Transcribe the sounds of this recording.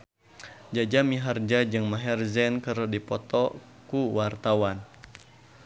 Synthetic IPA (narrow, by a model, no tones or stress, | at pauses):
d͡ʒad͡ʒamiɦard͡ʒad͡ʒɨŋmaɦɛrzɛnkəɾdipɔt̪ɔ | kuwart̪awan